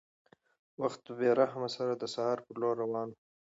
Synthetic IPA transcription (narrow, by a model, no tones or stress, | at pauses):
waxt̪̚beɾaɦamasaɾad̪əsahɑːɾpəɾloɾːawɑːn